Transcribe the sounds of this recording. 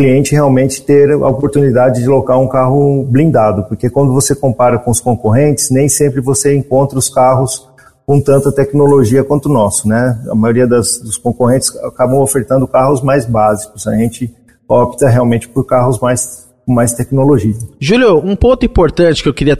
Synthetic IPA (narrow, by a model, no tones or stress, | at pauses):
kliẽnt͡ʃɪheawmẽnt͡ʃɪ̥t̪eɾɐ̰opoɾt̪unid̪ad͡ʒɪd͡ʒɪlokaɾũkaɦʊblĩnd̪ad̪ʊpoɾkekwɐ̃nd̪ʊvosekõmpaɾɐkõʊskõkoɦẽnt͡ʃɪ̥znẽj̃sẽmpɾɪvoseẽkõnt̪ɾɐʊskaɦʊs | kõw̃t̪ɐ̃nt̪ɐt̪ɛknoloʒiɐkwɐ̃nt̪ʊnɔsʊ̥nɛɐ̰majoɾiɐd̪ɐsd̪ʊskõkoɦẽnt͡ʃɪ̥sa̰kabɐ̃w̃ofeɾt̪ɐ̃nd̪ʊkaɦʊzmajzbazikʊsɐʒẽnt͡ʃɪ | ɔpt̪ɐɦeawmẽnt͡ʃɪ̥poɾkaɦʊzmajs | kmajst̪ɛknoloʒiɐʒuljoũpõnt̪ʊĩpoɾt̪ɐ̃t͡ʃɪ̥kɪewkɪɾiɐ